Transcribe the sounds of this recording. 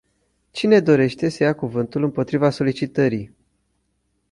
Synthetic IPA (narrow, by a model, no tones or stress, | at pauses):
t͡ʃine̞d̪o̞ɾe̞ʃt̪e̞səjakuvɨnt̪ulɨmpo̞t̪ɾivaso̞lit͡ʃit̪əɾi